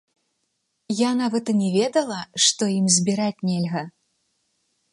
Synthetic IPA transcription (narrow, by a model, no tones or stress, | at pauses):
janavɐt̪ɨnʲɛvʲɛd̪ɐlˠɐʂt̪ɔjimzʲbʲiɾat͡sʲnʲɛlʲɣɐ